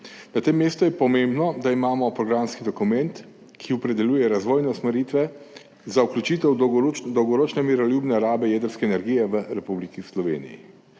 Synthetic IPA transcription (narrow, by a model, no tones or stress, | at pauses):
nat̪emːeːst̪ujɛpɔmẽmbnɔd̪aimaːmɔpɾɔɡɾamskid̪ɔkumɛnt̪ | kʰiɔpɾɛd̪ɛlʲjuːjɛɾazʋoːjnɛusmɛɾiːt̪ʋɛ | zauklʲut͡ʃit̪ɛwd̪ɔwɡɔɾoːt͡ʃnɛmiɾɔlʲjuːbnɛɾaːbɛjɛːd̪əɾskɛːnɛɾɡijɛʋəɾɛpublikislɔʋḛːnḭjḭ